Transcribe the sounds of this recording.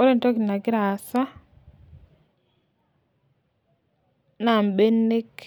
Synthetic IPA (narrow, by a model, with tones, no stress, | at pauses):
o˦ɾe˦nto˦ki˨na˨ɡɪ˦ɾa˨sa˦ | na˨mbe˦nːe˦k